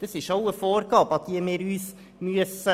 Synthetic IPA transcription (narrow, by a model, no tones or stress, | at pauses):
d̪̥ɛsiʂoʊəfoːɾkɑːpɑt̪̚d̪iæmeːɾyːs | myːəs